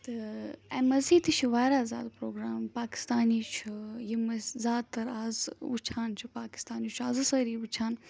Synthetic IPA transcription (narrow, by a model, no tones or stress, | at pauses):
t̪ɨɛmɐziːt̪ɨt͡ʃʰuʋaːɾaːza̰ːd̪pɾoːɡɾaːmpaːki̥st̪aːniːt͡ʃʰujimɐzaːd̪̚t̪ːɐɾaːzṵt͡ʃʰaːnt͡ʃʰupaːki̥st̪aːnit͡ʃʰaːzɨsəːɾiːʋut͡ʃʰaːn